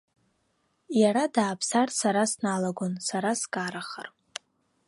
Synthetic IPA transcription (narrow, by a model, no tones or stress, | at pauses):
jaɾadaːpʰsarsaɾasnalaɡʷonsaɾaskʼaɾaχə̰r